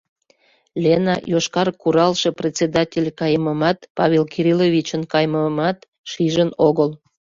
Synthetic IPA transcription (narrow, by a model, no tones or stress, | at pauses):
lʲenɑ̰joʃkɑrkuɾɑlʃeprʲet͡sʲed̪ɑtʲelʲkɑjəməmɑt̪pɑβʲelkiɾʲiloβʲit͡ɕənkɑjməmɑt̪ | ʃiʒənoɣəl